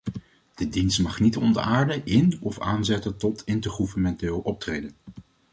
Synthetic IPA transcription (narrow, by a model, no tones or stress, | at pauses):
d̥ədinstmɑχnitɔndə̰aːɹdəʔɪnɔfaːnzɛtəntɔtɪntəɹχuvənmɛntɪːlˠɔp̚trejdən